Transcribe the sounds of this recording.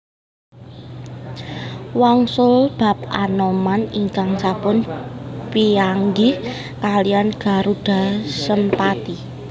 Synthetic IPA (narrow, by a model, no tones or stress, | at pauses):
waŋsʊlb̥a̤p̚ʔa̰nomaniŋkaŋsapʊnpiaŋɡɪh | kalijanɡ̥a̤ɾud̥a̤səmpat̪i